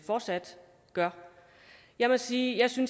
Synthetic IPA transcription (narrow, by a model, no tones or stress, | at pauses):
fɒːd̥sæd̥ | ɡ̥ɶɐ | jɑ̈ɪmɒ̽siːjɑ̈ɪsyns